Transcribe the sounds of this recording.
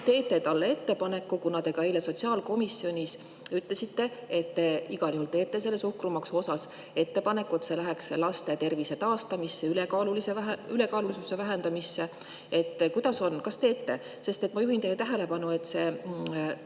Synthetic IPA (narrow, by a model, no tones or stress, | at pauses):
t̪e̞ːt̪ːe̞t̪ɑlːee̞t̪ːe̞pɑne̞kːukunɑd̪e̞ɡ̥ɑejleso̞t̪ʲsiɑːlko̞misːjo̞nʲis | yt̪le̞sit̪ːe̞et̪ːeiɡ̥ɑljuhult̪e̞ːt̪ːˑe̞se̞lːe̞suhkrumɑkso̞sɑs | e̞t̪ːe̞pɑne̞kːuet̪se̞læɦekselɑst̪e̞t̪e̞rviset̪ɑːst̪ɑmisːe̞ylekɑluliseæɦyle̞kɑːlulisuse̞væɦend̪̥ɑmisːe̞ | e̞t̪ːˑkujd̪̥ɑso̞nkɑst̪e̞ːt̪ːe̞ | se̞st̪et̪mɑjuɦint̪ejet̪æɦele̞pɑnue̞t̪ːˑse̞